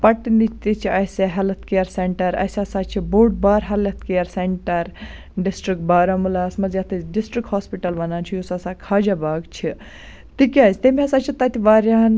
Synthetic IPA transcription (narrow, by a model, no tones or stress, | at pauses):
pɐʈinit̪it͡ʃʰiɐjseɦɐlɐt̪̚ʰkijɐɾseɳʈɐɾɐ̰jsɐsat͡ʃʰiboːʈ̚baːɾɦɐlɐt̪ʰkijɐɾseɳʈɐɾ | ɖisʈɾik̚ʈbaːɾɐmulasmɐzjɐt̪ʰɨɖisʈɾikhoːspiʈɐlʋɐnaːnt͡ʃʰijusasakʰaːd͡ʒabaːɡt͡ʃʰi | t̪ikiast̪emiɐsat͡ʃʰit̪ɐt̪iʋaːɾjaːn